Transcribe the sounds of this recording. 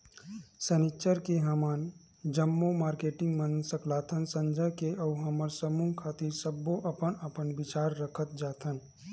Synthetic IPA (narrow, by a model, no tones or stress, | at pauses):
sənit͡ʃəɾkeɦəmaːn | d͡ʒəmːomaːɾkeːʈɪ̃ŋɡmənsəkʰlaːt̪ʰənsə̃ɲd͡ʒəkeʔɔuɦəməɾsəmuŋkʰaːt̪iɾsəbːoʔɐpənəpənbɪt͡ʃaːɾːəkʰət̪̚d͡ʒaːt̪ʰən